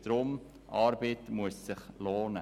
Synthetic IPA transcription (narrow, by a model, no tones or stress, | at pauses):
d̥ɾʊm | ɑɾbetmuəsːɪχloːnə